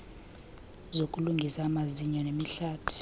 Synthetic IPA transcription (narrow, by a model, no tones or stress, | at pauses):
zokʼuluŋɡʱisaːmaziɲɔnemiɬaːtʰu̥